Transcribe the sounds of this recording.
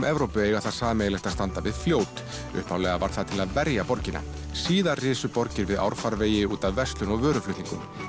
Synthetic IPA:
mʔɛvɾowpʏeːjɣaθasaːmeːjlɛst̪ast̪ant̪avɪðfljoːwt̪ | ʏ̰hpawlɛɣava̰ɾ̥θaðt̪ʰɪlaðvɛɾjapɔɾcɪna̰ | siːðarɪːsʏpɔɾcɪɾvɪða̰wɾ̥faɾveːjɪuːt̪avvɛst̪lʏnɔɣvœːɾʏflʏht̪iŋkʏm

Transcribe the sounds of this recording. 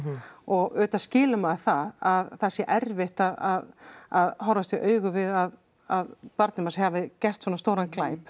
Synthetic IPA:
ɔɣœːt̪ḁscɪːlʏmaːðθaðaðθasjɛʔɛɾvɪht̪aðaðaðhawɾvast̪ɛʔœːɥɣʏvɪðað | aðpaɾt̪nɪmashavɪcɛr̥t̪swɔnast̪oːwɾanklaːjp

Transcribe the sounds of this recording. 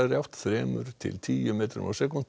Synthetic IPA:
aɣɾjawht̪θɾɛːmʏɾ̥t̪ʰɪ̰lt̪ʰiːjʏmeːt̪ɾʏ̰ma̰wsɛkun

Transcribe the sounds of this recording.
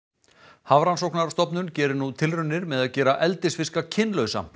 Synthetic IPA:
havɾansowhknaɾast̪ɔpnʏncɛːɾɪnut̪ʰɪlrʏnːɪɾmɛðaðcɛːɾaʔɛlt̪ɪsfɪskacʰɪnlœɥsa̰

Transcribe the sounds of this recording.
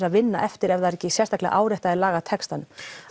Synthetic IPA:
aðvɪnːa̰ʔɛft̪ɪɾɛvaɛɾɛcːɪsjɛr̥t̪ahklɪ̰a̰ʔaːwɾɛht̪aðɛlaːɣat̪ʰɛkst̪anʏm

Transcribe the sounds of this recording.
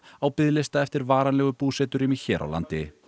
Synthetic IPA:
awpɪðlɪst̪aɛft̪ɪɾvaːɾanlɛːɣʏpuːsɛːt̪ʏɾɪmiçɛːɾʔa̰wla̰nt̪ɪ

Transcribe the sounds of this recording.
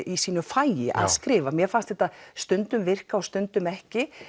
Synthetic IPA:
ʔisiːnʏfaːjɪʔa̰ðskɾɪːvamjɛfanst̪ɛht̪aðst̪ʏnt̪ʏmvɪr̥kaɔst̪ʏnt̪ʏmɛhcɪ

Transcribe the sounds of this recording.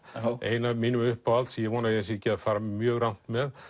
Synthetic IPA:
eːjnamiːnʏmʏhpaalt̪sjɛɣvɔːnaɛsɛcɛaðfaːɾamjœːɣrawn̥t̪mɛð

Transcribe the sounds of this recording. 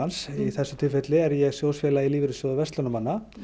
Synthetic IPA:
ansiθɛsːʏ̥t̪ʰɪlfet̪lɪɛɾjɛɣsjoːwsfjɛːlailiːvɪɾʏsɔðʏvɛst̪ɔnamanːa

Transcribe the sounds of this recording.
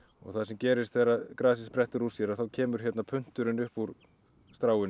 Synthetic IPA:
ɔ̰ɣθaðsɛmcɛːɾɪst̪θɛrakɾaːs̬ɪspɾɛht̪ʏɾusjɛɾaθawcʰɛːmʏɾ̥çɛt̪napʰʏn̥t̪ʏɾɪnʏhpuɾ | st̪ɾaːwɪn

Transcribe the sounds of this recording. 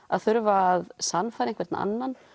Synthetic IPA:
a̰ðθʏɾvaːðsanfajɾẽnŋkvɛɾt̪na̰a̰nːan

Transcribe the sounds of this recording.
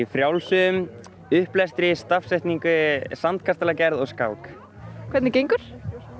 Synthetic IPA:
fɾjawlsʏm | ʏhplɛst̪ɾɪst̪afsɛjht̪niŋkʏsant̪̚kʰast̪alacɛɾðɔɣskaːwk | kʰv̥ɛt̪nɪcejŋkʏɾ̥

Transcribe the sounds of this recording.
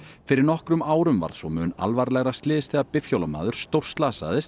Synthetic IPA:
fɪɾɪɾnɔhkɾʏmaːwɾʏmva̰ɾð̥sɔwmʏːna̰lvaɾlɛɣɾast̪lɪːðɪst̪ɛːɣapɪfçowlama̰ːðʏɾ̥st̪owr̥st̪laːsa̰ːðɪst̪

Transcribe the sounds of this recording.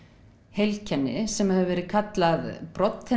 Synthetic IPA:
hejlcʰɛnːɪ̰sɛmhɛðʏvɛːɾɪkʰat̪laðpɾɔt̪hɛ

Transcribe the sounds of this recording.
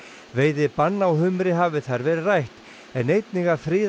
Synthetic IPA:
veːjðɪpanːawɦʏmɾɪɦaːvɪθaɾvɛːɾɪrajht̪ | ɛnejt̪niŋɣafɾiːð

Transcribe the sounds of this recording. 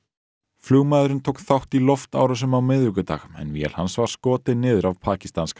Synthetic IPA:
fluːɣmaðʏɾɪnt̪ʰoːwkθawht̪ilɔft̪a̰ːwɾas̬ʏmawmɪðɾʏkʏt̪a̰ːxɛ̰nvjɛ̰lhansvaɾ̥skɔːt̪ɪnɪːðʏɾavpʰaːci̥st̪ansk

